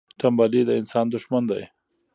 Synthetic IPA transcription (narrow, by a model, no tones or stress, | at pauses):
t̪ambalid̪əɪnsɑnd̪ʊʃmand̪aj